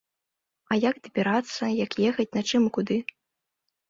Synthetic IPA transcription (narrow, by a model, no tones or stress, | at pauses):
ɐjaɡd̪ɐbʲiɾat̪sːɐjɐkjɛxɐt͡sʲnɐt͡ʂɨmkud̪ɨ